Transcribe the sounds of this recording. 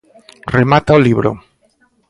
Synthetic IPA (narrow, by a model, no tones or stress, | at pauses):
remat̪aoliβɾo̰